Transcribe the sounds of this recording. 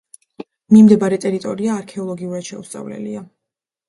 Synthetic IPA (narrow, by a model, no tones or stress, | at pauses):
mimd̪ɛbaɾɛt̪ʼɛɾit̪ʼɔɾiaːɾkʰɛɔlˠɔɡiuɾad̪ʃɛ̰ust̪sʼa̰vlɛ̰lḭa